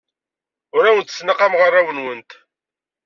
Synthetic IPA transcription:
ʊɾæwənt̪ə̥snaqamʁərˤːawənwənt̪

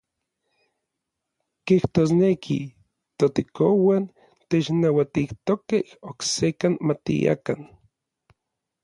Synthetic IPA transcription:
kiht̪oːsnekʰḭ | t̪ot̪ekowan | t̪et͡ʃnawat̪iht̪okehoksekanmat̪ḭja̰kan

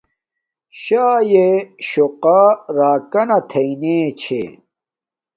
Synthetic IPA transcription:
ɕaːjeɕoqaːɾaːkɐnɐt̪ʰɐineːt͡ɕʰḛ

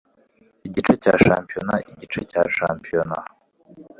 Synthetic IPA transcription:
iɟit͡ʃecaːʃaːmpijonaʔiɟit͡ʃeca̰ːʃaːmpijona

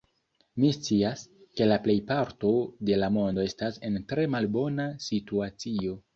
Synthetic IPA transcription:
mist͡siaske̞laple̞jpaɾto̞de̞lamo̞ndo̞e̞stase̞ntɾe̞malbo̞nasituat͡sio̞

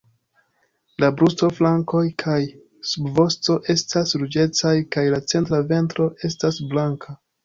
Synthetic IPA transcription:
labɾusto̞flaŋko̞jkʰaj | subvo̞sto̞ʔe̞stasɾud͡ʒe̞t͡sajkajlat͡se̞ntɾave̞ntɾo̞ʔe̞stasblaŋkʰa

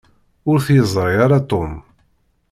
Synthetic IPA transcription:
ʊɾθjəzˤɾˤiaɾat̪om

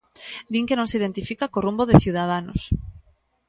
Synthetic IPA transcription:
d̪iŋkenõŋsiðent̪ifikakorumboðeθjiuwðað̞ano̰s

